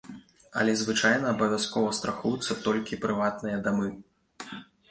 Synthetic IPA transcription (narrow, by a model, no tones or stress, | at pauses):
ɐ̰lʲɛzvɨt͡ʂajnɐːbɐvʲaskɔvɐst̪ɾaxujut̪sːɐt̪ɔlʲkʲipɾɨvat̪nɨjɐd̪amɨ